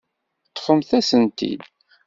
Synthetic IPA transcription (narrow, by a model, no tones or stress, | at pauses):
t̪ːχəmθæsənt̪ḭd̪